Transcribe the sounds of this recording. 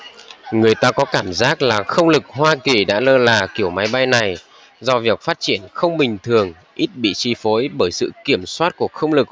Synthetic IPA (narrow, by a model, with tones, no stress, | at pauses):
ŋɨ˨˩əjt̪aː˧kɔ˨˦kaː˧˩mzaː˦˥k̚laː˨˩xə˧wŋ͡mlɨ˨˩k̚ɦhwaː˧ki˨˩ɗa̰ː˧˥ləː˧laː˨˩ki˧˩əwma˨˦jɓa˧jna˨˩j | zɔ˧vi˨˩ək̚faː˦˥t̚t͡ɕi˧˩ənxə˧wŋ͡mɓï˨˩ŋ̟t̪ʰɨ˨˩əŋ | ʔi˦˥t̚ɓḭ˧˨t͡ɕi˧fo˨˦jɓəː˧˩jsɨ̰˧˨ki˧˩əmswaː˦˥t̚ku˧˩əxə˧wŋ͡mlɨ˨˩k̚